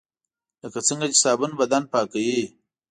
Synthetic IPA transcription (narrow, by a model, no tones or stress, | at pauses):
lakat͡səŋɡat͡ʃisaːbunbɐd̪anpaːkawi